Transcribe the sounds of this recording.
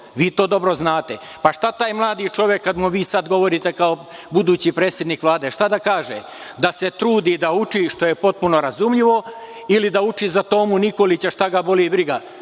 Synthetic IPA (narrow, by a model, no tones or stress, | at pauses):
ʋiːt̪o̞ːd̪o̞bɾoznaːt̪e | paʃt̪at̪aːjmlˠaːd̪it͡ʃo̞ʋjekːad̪muʋiːsad̪ɡo̞ʋo̞ɾit̪ekao̞bud̪uːt͡ɕipɾeːt̪sʲje̞d̪niːkʋlˠaːd̪eʃt̪ad̪akaːʒḛ | d̪ase̞t̪ɾuːd̪id̪aut͡ʃiʃt̪o̞jepo̞t̪̚puno̞ɾazumʎiʋo̞ | ilid̪aut͡ʃizat̪o̞ːmunikolit͡ɕaʃt̪aɡabo̞libɾiɡa